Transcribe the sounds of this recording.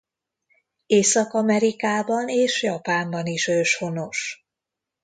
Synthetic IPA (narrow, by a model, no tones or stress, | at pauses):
eːsɒkɒmɛɾikaːbɒneːʃjɒpaːmbɒniʃøːʃho̞no̞ʃ